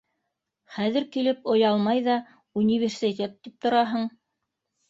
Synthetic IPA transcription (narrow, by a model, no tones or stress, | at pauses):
χæðɘɾkilɘpŏjɑlˠmɑjðɑ | unʲivʲersʲit̪ʲet̪ːip̚t̪ŏɾɑɦɤɴ